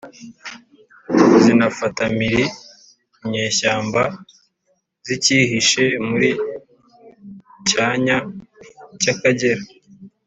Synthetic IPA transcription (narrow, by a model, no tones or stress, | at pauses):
zinafatamiɾi | mɲeːʃaːmba | ziciɦiʃe̞muɾi | caːɲa | cakaɟeɾa